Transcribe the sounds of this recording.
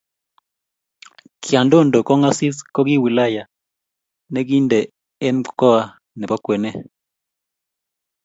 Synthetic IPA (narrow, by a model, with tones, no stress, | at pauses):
kɪa˨ndo˦ndo˨kɔ˦ŋa˦sɪ˦skɔ˦ɡɪ˦wi˨la˦ja˨ | nɛ˦ɡi˦nde˨ | ɛ˦nkɔ˦a˦ | nɛ˨pa˦kwɛ˨nɛ˦